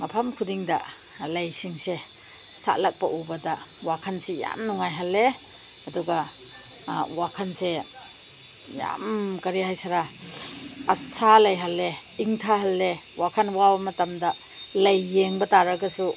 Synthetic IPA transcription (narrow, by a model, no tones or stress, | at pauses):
mapʰamkʰudiŋda̰ | lɐjsiŋse | sa̰lak̚pɐʔubɐdawakʰanseja̰mnuŋajɦalːe | ɐduɡa | wakʰanse | ja̰mkɐɾihajsaɾa | asalɐjɦalːe | iŋtʰaɦalːewakʰanwawmɐtamdɐ | lɐjːeŋbɐtaɾaɡɐsu